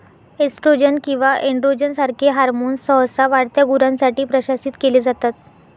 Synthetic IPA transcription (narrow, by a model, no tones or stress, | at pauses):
esʈɾod͡ʑənkĩw̃ʋaʔeɳɖɾod͡ʑənsaɾkʰeɦaɾmoːnsəɦəsaʋaɽt̪jaɡuɾãnsaʈiːpɾəɕasiːt̪keled͡zat̪at̪